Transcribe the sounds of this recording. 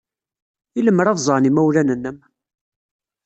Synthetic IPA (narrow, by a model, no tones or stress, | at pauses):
iləmːəɾɑðzˤəʁnimæwlænənːəm